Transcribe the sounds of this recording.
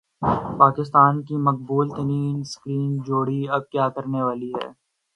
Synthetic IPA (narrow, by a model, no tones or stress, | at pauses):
paːkɪst̪aːnkimɐq̚buːlt̪ɐɾiːnskɾiːnd͡ʒoːɽiɐb̚kjaːkɐɾneʋaːliɦɛ̰ː